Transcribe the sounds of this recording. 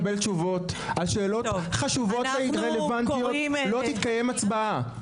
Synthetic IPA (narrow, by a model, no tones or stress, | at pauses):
belt͡ʃuvo̞t̪ | alʃe̞ːlo̞t̪χaʃuvo̞t̪veiʁelevantijolo̞t̪it̪kaje̞mat͡sbaa